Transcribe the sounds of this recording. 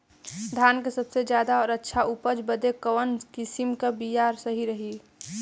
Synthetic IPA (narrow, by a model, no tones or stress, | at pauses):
d̪ʱaːnkesəbsed͡ʒjaːd̪aɔːɾətːʃʰaupəd͡ʒbəd̪ekəʋənkɪsimkabijaːɾsəɦiɾəɦi